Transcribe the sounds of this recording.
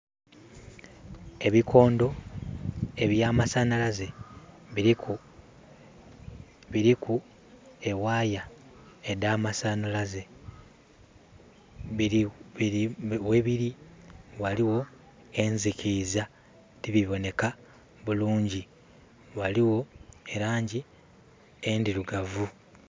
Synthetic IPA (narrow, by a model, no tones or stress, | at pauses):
e̞βikʰo̞ːndo̞ | e̞βjaːmasanalaze̞ | βiɾiku | e̞waːja | edaːmasanalaze̞ | i | we̞βiɾiwaliwo̞ | e̞ɲzikiza | tiβiβo̞ne̞ka | βuluːɲɟi | waliwo̞e̞ɾaːɲɟi | endiɾuɡavu